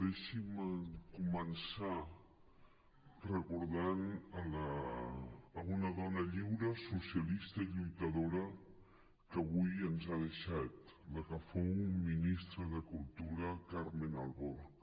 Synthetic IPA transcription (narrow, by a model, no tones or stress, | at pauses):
ðɛʃimkumənsa | rəkuɾðanələː | unəðɔnəʎiwɾəsusiəlist̪əiʎujt̪əðoɾə | kəβujənzaðəʃat̪ləkəfowminist̪ɾəðəkulˠt̪uɾəkaɾmenalˠβo